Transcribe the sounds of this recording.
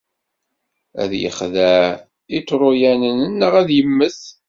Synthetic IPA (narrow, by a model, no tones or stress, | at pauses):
æ̰ðjə̰χðæ | it͡sːɾˤʊjænənənːəʁæðjəmːəθ